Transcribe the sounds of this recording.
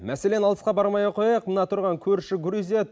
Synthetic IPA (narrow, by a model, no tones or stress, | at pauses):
mæse̞le̞nɑlˠə̥sqɑbɑɾmɑjɑqʰo̞jɑjɑq̚mənɑt̪ʰʊɾʁɑŋkʲʰɵɾʃɪɡʲɾizet̪